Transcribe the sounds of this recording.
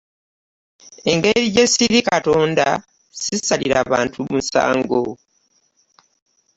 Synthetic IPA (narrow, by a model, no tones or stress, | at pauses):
e̞ŋɡe̞ɾiɟe̞siɾikato̞ːndaa | sisaliɾaːβaːntʰumusa̰ːŋɡo